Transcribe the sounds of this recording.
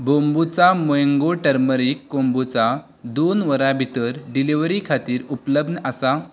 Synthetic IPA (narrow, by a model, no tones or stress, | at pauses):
bombut͡samojəŋɡoʈəɾməɾikːõmbut͡sa | d̪onʋəɾabʱit̪əɾɖiliʋɾikʰat̪iːɾupləbʱnəʔəsa